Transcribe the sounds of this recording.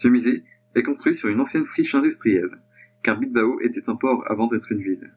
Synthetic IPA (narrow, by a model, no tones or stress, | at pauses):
səmize | ɛkɔ̃st̪χɥisyʁynɑ̃sjɛnfχiʃɛ̃d̪yst̪χijɛl | kaʁbid̪̚baoʔet̪ɛt̪ɛ̃pɔʁa̰vɑ̃d̪ɛt̪χynvil